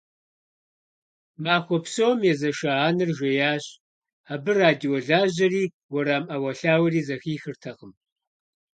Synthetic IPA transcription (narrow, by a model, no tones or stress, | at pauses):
maːxʷɔpsowmjɛzɐʃaaːnɨrʒʷejaːɕʼ | abɨraːdiwɔɮaːʑɐriː | wɔɾaːmʔɐwɐɬaːwɐriːzɐxiːxɨrtʰɐʁəm